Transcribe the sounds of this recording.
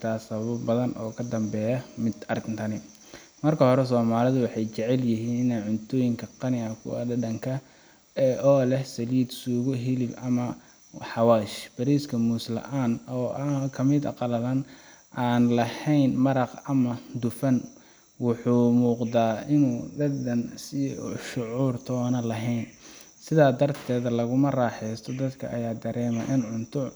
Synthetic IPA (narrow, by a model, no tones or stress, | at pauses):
t̪ʰaːsɐββɐbbɐðɐnʔɔ̰ːkʰɐd̪ɐmbɛːjɐmɪd̪ɐrɡnt̪ʰɐnɪ | mɐrkʰɐhɔɾɛsɔːmaːlɪðʊwɑħɑjt͡ʃɛʕɛljɪɦiːnɪnaːʕʊnt̪ʰɔːjɪŋkʰɐqɑnɪɐkʰʊ̰ɐ̰d̪ɐɖɐŋkʰɐ | ɛʔɔːlɛhsɐliːd̪suːɣʊɦɪlɪbɐmɐ | ħɑwaːʃb̥ɐɾiːskʰɐmuːslɐ̰ʔaːnɔːakʰɐmɪd̪ɐ̰qɑlɐlɐn | ʔaːnlɐhɛjnmɐɾɑqɐmɐd̪ʊfɐn | wʊħuːmuːqd̪aːɪnuːd̪ɐd̪ɐnsɪʃʊʕuːrt̪ʰɔːnɐlɐɦɛjn | sɪðaːd̪ɐrt̪ʰɛːðɐlɐɣʊmɐrɑːħɛjst̪ʰɔd̪ɐd̪kʰɐ̰ʔɐjaːd̪ɐɾɛːmɐʔɪnʕʊnt̪ʰʊ